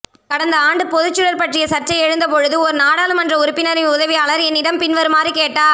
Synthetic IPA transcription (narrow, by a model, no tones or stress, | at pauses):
kɐɽɐnd̪ɐaːɳɖɯpɔðɯt͡ʃːɯɻɐɾpɐʈrɪjɐsɐt͡ʃːɐɪɛɻɯnd̪ɐpɔɻɯðɯɔɾɯnaːɽaːlɯmɐndrɐʊɾɯpːɪnɐɾɪʊðɐʋiɐːɭɐɾɛnːɪɽɐmpɪnʋɐɾɯmaːrikeːʈːaː